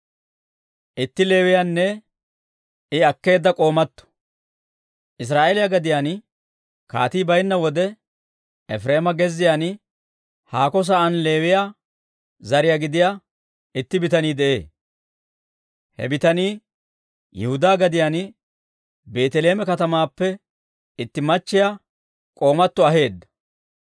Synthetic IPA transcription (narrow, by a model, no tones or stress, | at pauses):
ʔɪt̪ːɪle̞ːwɪjanːɛ | ɪɐkːe̞ːd̪ːɐkʼo̞ːmɐt̪ːɔ̥ | ʔɪs̬ɾaːʔeːlɪjɐɡɐd̪ɪjan | ka̰ːt̪iːbɐjnːɐwɔd̪ɛ | ɛfɾe̞ːmɐɡɛzːɪjaːn | haːkɔs̬ɐʔɐnle̞ːwɪjaː | zɐɾɪjaɡɪd̪ɪja | ɪt̪ːɪbɪt̪ɐniːd̪ɛʔe̞ː | hɛ̰bɪt̪ɐniː | jɛhʊd̪aːɡɐd̪ɪjaːn | be̞ːt̪ɛle̞ːmɛkɐt̪ɐmaːpːɛ | ɪt̪ːɪmɐt͡ʃːɪja | kʼo̞ːmɐt̪ːɔɐɦe̞ːd̪ːɐ̥